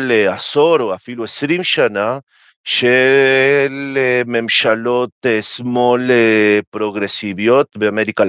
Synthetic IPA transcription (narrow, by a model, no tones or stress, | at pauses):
leasoɾoafilue̞sɾimʃana | ʃe | leme̞mʃalo̞t̪esmo̞lepɾo̞ɡɾesivjo̞t̪beame̞ɾika